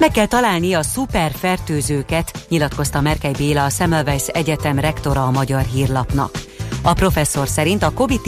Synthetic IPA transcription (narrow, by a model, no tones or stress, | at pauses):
mɛkːɛlt̪ɒlaːlniɒsupɛrfɛrt̪øːzøːkɛt̪ɲilɒt̪ko̞st̪ɒmɛrkɛjbeːlɒːsɛmɛlvɛjsɛɟɛt̪ɛmrɛkt̪o̞ɾɒːmɒɟɒrɦiːrlɒpnɒ̰k | ɒpro̞fɛsːo̞rsɛɾint̪ɒko̞vit̪